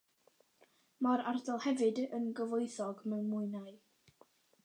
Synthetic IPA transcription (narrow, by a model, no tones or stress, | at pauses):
maɾardɔlˠhɛvɨdənɡəvoɨθɔɡmɛwnmʊɨnaɨ